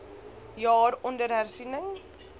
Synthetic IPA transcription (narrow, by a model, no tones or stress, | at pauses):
jɑːrɔndərɦærsinəŋ